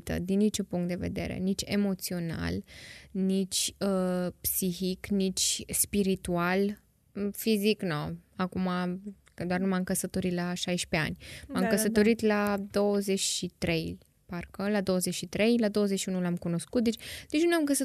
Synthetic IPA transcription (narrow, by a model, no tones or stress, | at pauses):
t̪ə̰d̪inːit͡ʃupuŋk̚t̪d̪e̞ve̞̰d̪e̞̰ɾe̞̰nit͡ʃʲe̞mo̞t̪sio̞na̰lnit͡ʃʲəpsixiknit͡ʃʲspiɾit̪ual | fiziknoakuma | kəd̪oarnumamkəsət̪o̞ɾit̪laʃajʃpe̞a̰nʲmamkəsət̪o̞ɾit̪lad̪o̞wəze̞t͡ʃʲʃit̪ɾe̞j | parkəlad̪o̞wəzet͡ʃʃit̪ɾe̞jlad̪owəzeʃiunulamkuno̞skut̪̚d̪et͡ʃʲd̪̥et͡ʃnnamŋk̬əsə